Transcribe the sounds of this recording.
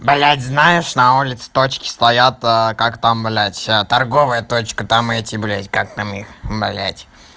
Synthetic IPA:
balʲætʲznajɪʂnɐulʲɪt̪sɨ̥t̪ot͡ɕkʲɪ̥st̪ɐjat̪əkakt̪amblʲætʲət̪ɐrɡo̞vɨjət̪o̞t͡ɕkət̪amɛtʲɪblʲætʲkak̚t̪amixbalʲæ̰tʲ

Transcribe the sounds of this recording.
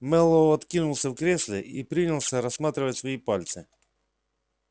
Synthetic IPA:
mɛlˠːoɐt̪kʲinʊlˠsʲəfkɾʲesʲlʲɪipɾʲinʲɪlˠsʲəɾɐsːmat̪ɾʲɪvətʲsvɐipalʲt̪sɨ

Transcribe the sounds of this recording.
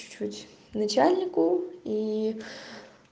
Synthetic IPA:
t͡ʃutʲ | nɐt͡ɕalʲnʲɪkʊi

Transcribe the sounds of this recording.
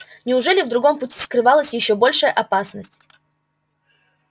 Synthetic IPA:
nʲɪʊʐɛlʲɪvd̪ɾʊɡo̞mpʊtʲi̥skɾɨvalˠəsʲjɪɕːo̞bo̞lʲʂəjəʔɐpasnəsʲtʲ

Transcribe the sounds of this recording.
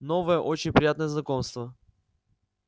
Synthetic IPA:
nɔvəɛʔɔt͡ʃɛnʲpɾʲijat̪nəznɐkɔmst̪və

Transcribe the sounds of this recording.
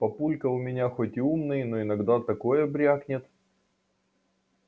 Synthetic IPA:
pɐpulʲkəʊmʲɪnʲaxo̞tʲɪumnɨjnoɪnɐɡd̪at̪ɐko̞jəbɾʲaknʲɪt̪

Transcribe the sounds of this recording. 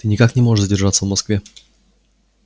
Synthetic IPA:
ɘɲikakɲɛmwɔɛzd͡ʑɛɾʐatʲsɔ̃vmɔskfʲjɛ

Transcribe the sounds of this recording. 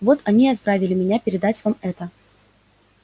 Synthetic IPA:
vo̞t̪ɐnʲiɐt̪̚pɾavʲɪlʲɪmʲɪnʲapʲɪɾʲɪd̪atʲvamɛt̪ə

